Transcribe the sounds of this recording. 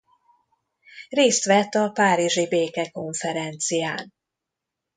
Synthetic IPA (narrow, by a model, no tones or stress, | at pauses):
reːst̪ʋɛt̪ːɒpaːɾiʒibeːkɛko̞ɱfɛɾɛnt̪sijaːn